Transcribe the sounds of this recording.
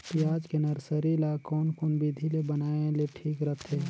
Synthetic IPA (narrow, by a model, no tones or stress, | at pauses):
t̪iaːd͡ʒkenəɾsəɾilakɔːnkɔːnbid̪ʱilebənaːẽleʈʰiːkɾət̪ʰeː